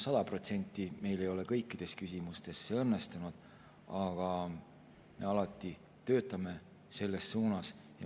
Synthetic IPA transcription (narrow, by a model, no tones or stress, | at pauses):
sɑd̪̥ɑpro̞t̪se̞nʲt̪ˑːime̞jle̞jo̞le̞kɤjkːˑid̪̥e̞skysʲimust̪e̞sːeɤnːe̞st̪unud̪̥ | ɑɡ̥ɑ | me̞ɑlɑt̪ːˑi | t̪ø̞ːt̪ːˑɑme̞ | se̞lːe̞sːuːnɑsjɑ